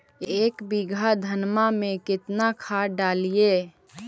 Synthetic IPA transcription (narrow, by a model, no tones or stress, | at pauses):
ekbiɡʱad̪ʱənmamekɪt̪nakʰaɖalie